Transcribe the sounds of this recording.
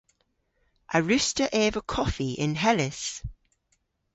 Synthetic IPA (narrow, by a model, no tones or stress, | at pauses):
ʔəɹʉstəʔɛːvəkʰɒfiɪ̰̃nɦɛlɪs